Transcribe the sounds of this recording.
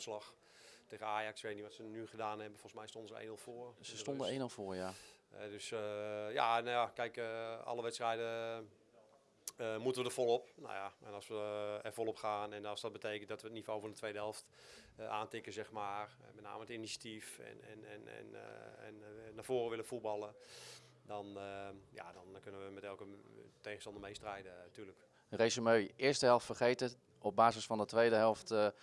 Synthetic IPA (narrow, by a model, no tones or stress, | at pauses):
slɑx | teːɣənaːjaksʋetəniʋɔtsənyχədaːnɛbənfɔlˠsmɛjstondəzəʔḛːnɪlˠfoərsəstondəenɪlˠfoːərjaɛ̰døsja̰najakɛjkɔ̰ləʋɛtstrɛjdə | əmutənʋədəv̥olˠopna̰jaɛ̰nɑsʋəɛrfolˠɔpxaːnɛnˠsdɔt̚bəteːkəntdɔtʋəətnivowfɔndətʋejdəɦɛlˠft | ʔaːntɪkəzɛxmaːr | mɛtna̰ːməətinisjatifɛ̰n̰nɛ̰nɛ̰n̰ɛ̰nnav̥oːrəʋɪləfutbɑlˠə | dɔnja̰dɔnkønəʋəmɛtɛlˠkətejɣəstɑndəmejstrɛjdəatyːlək | ərejsəmøːʔɪərstəɦɛlˠftfərχejtə | ɔp̚b̚baːzəsfɑndətʋejdəɦɛlˠft